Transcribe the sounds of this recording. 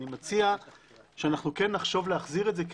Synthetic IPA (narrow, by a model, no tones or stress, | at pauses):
imat͡sia | ʃeanaχnuke̞nːaχʃo̞vleaχziʁetzek